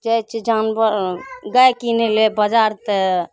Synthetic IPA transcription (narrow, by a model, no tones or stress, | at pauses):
d͡ʒəjt͡ʃʰid͡ʒanbəɾɡəjkinelebəd͡ʒaɾt̪e